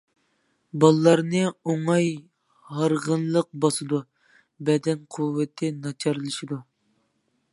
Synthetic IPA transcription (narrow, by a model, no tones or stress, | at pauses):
bɑlˠɨlˠɑɾnɨoŋɑj | hɑɾʁənlˠəq̚bɑsɨd̪u | bɛd̪ɛnqʰuwːɨt̪ʰɪnɑt͡ʃʰɑɾlˠɨʃid̪u